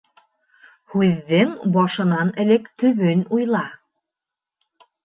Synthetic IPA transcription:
hʉðːɘŋbɑʃɤ̆nɑnɘ̆lɘkt̪ɵ̆βɵnujlˠɑ

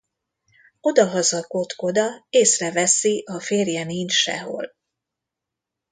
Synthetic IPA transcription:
o̞d̪ɒɦɒzɒko̞t̪ko̞d̪ɒeːsrɛvɛsiʔɒfeːrjɛnint͡ʃʃɛ̰ɦo̰l

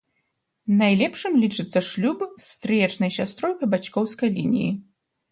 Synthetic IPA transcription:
najlʲɛpʂɨmlʲit͡ʂɨt̪sːɐʂlʲupst̪ɾɨjɛt͡ʂnɐjsʲast̪ɾɔjpɐbat͡ɕkɔwskɐjlʲinʲḭjḭ

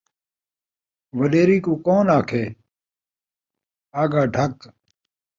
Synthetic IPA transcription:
ʋəleːɾiːkuːkoːnaːkʰeː | aːɡaːɖʱɐk

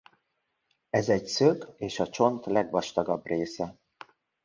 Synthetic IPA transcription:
ɛzɛɟsøkeːʃɒt͡ʃo̞nt̪lɛɡʋɒʃt̪ɒɡɒbreːsɛ

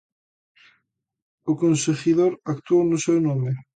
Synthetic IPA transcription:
ʊkonsexiðoɾakt̪uownʊsewnomɪ

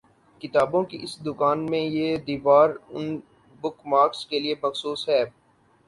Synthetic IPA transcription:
kɪt̪aːbõkiʔɪsd̪ʊkaːnmẽjed̪iːʋaːɾʊn | bʊkmaːɾkskeliemɐxsuːsɦɛː

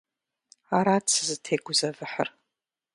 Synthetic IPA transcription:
aɾat͡sʰɨzɨtʰeɡʷʊzɐvɨħə̰r

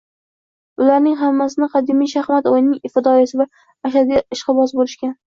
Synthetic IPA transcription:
ʊlaɾnɪŋɦamːasɪnɪqʰɑd̪ɪmijʃahmat̪ojɪnɪŋɪft̪ɪd̪ɒjasɪvaː | ʃad̪iɪʃqɨbɒsbolɪʃkʲan

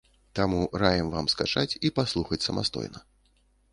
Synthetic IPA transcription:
t̪amuɾajɛmvamskat͡ʂat͡sʲipaslˠuxɐt͡sʲsɐmʔa̰st̪ɔ̰jnɐ

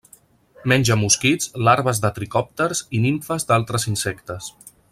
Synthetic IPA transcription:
mɛnʲd͡ʒəmuskid͡zlaɾβəzðət̪ɾikɔp̚t̪əɾziniɱfəzd̪alˠt̪ɾəzinsɛkt̪əs

